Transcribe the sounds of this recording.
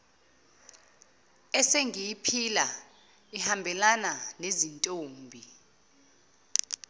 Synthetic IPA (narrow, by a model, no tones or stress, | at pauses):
ɛseŋijipʰila | ihambʱɛlananezintʼoːmbʱi